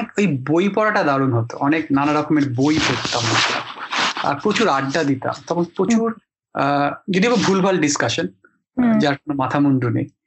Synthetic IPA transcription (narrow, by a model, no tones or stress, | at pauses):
ekejbojpɔɾaʈad̪aɾonɦot̪o̰ʔɔneknanaɾɔkomeɾbojpoɾt̪amːata̰a̰pɾot͡ɕuɾaɖːad̪it̪a̰mt̪ɔkʰonpɾot͡ɕuɾ | d͡ʑod̪ibobʱulbʱalɖiskaʃon | d͡ʑaɾkonomat̪ʰamond̪unḛj